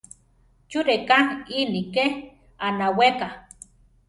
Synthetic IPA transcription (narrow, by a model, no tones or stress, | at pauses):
t͡ʃuɾekainike | anaweka